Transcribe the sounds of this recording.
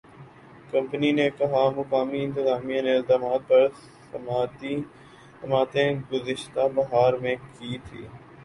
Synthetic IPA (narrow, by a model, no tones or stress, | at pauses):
kɐ̃mpəninekɐɦamʊkaːmiɪ̃nt̪ɪzaːmijãneɪld̪aːmaːt̪̚pɐɾs | ɐmaːt̪i | sɐmaːt̪ẽɡʊzɪʃt̪abɐɦaːɾmẽkiːt̪ʰḭː